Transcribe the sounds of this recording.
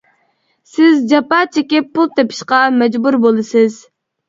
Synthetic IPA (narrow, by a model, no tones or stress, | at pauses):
sɪzd͡ʒɑpɑt͡ʃʰekʲɪpʰːulˠt̪ʰepʰɪ̥ʃqɑmɛd͡ʒbuɾbolˠɨsɪz̥